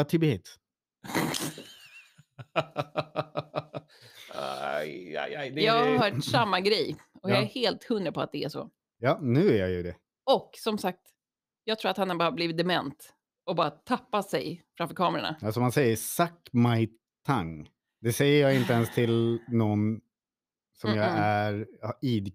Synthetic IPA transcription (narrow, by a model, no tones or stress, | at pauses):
at̪ʰɪbeːt̪ | aja̰jajd̪ɛjɑːɡaɾɾɦœːʈssamːaɡɾɛjɔkjɑɛheːlt̪hɵnːəɾpʰɔa̰t̪̚d̪ɛæʂɔ̰ | jɑːnʉ̟ːæɾjajɵd̪ɛ | ɔksɔmsak̚t̪ | jɑːɡt̪ʰɾuːɾat̪hanhaɾbœːvabliːvɪt̪d̪ɛmɛnt̪ | ɔbɑːɾat̪ʰapːasɛ̰jfɾamfœɾkʰɑːmɛɾa̰ɳa̰alsɔmansɛjːəsakmaj | t̪ʰaŋ | d̪ɛsɛjːəɾjɑːɡɪnt̪əɛnst̪ʰɪlnɔn | sɔmjɑːɡæɾiːd̪